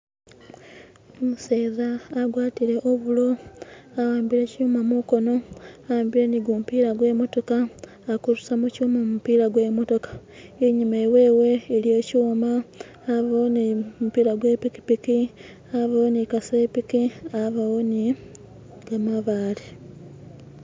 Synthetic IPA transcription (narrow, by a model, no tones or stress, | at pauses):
omuse̞ːðaːɡwaːtiɾe̞ʔoβulo̞awaːmbiɾe̞cuːmamuko̞no̞awaːmbiɾe̞niɡumupiːɾaɡwe̞ːmo̞to̞kaː | kuɾusamucuːmamupiːɾaɡwe̞ːmo̞to̞kḁ | eɲimewe̞ːweːlie̞ːcuːmaː | βaonimupiːɾaɡwe̞piki̥piki | aβawonikase̞pikiaβaoni | ɡ̥amaβaːli